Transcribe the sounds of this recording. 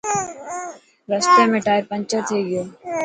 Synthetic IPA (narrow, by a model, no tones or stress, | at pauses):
ɾəsʈemẽʈaːɪɾpɐ̃ɲt͡ʃət̪ʰeɡɪjoː